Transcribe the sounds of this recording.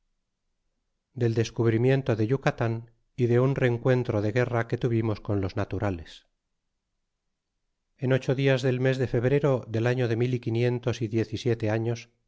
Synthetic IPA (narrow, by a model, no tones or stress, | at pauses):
d̪e̞ld̪e̞skuβ̞ɾimje̞nt̪o̞ðe̞ʝukat̪an | iðe̞unre̞ŋkwe̞nt̪ɾo̞ðe̞ɣe̞rake̞t̪uβimo̞sko̞nlo̞znat̪uɾales | e̞no̞t͡ʃo̞ðiazðe̞lme̞zðe̞fe̞βɾe̞ɾo̞ðe̞laɲo̞ðe̞milikinje̞nt̪o̞siðje̞θisje̞t̪e̞aɲo̞s